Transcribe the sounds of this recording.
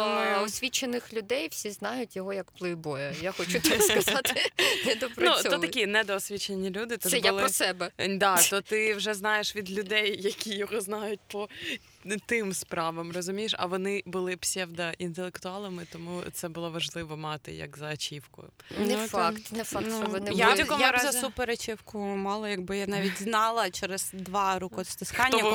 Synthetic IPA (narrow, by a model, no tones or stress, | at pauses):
ɔsʲʋʲit͡ʃenɪxlʲʊd̪ɛjwsʲiznɑjʊtʲjɔɦɔjɐkplˠɪbɔjɛjaxɔt͡ʃut̪ɔskɐzɑt̪ɪd̪ɔpɾnut̪ɔt̪ɐkʲinɛd̪ɔːsʲʋʲit͡ʃenʲːilʲud̪ɪt̪ɔsɛjbalˠɔsɛbɛd̪ɑt̪ɔt̪ɪwʒɛznɑjeʃʋʲid̪lʲʊd̪ɛjːɐkʲijɔɦɔznɑjʊt̚ʲpɔ | t̪ɪmspɾɑʋɐmrɔzʊmʲijeʃɐ̰ʋɔnɪbʊlˠɪpsʲɛwd̪ɐʔint̪elˠekt̪ʊɑlˠɪmɪt̪ɔmut̪sɛbʊlˠɔʋɐʒlˠɪʋɔmɑt̪ɪ̰jɐ̰kzɐɐt͡ʃʲiwkʊ̰ | nfkt̪ɛfanunjat̪ʲɐkɔjʊɾazɐsupeɾɐt͡ʃʲiwkʊmɑlˠɐjɐɡbɪjanɑʋʲitʲznɑlˠɐt͡ʃɛɾɪz̥d̪ʋɑɾukɔst̪ɪskɑnʲɔːɐ